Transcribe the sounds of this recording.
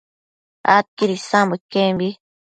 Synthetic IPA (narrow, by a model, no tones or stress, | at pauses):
a̰t̪̚kiɾisãmbekembi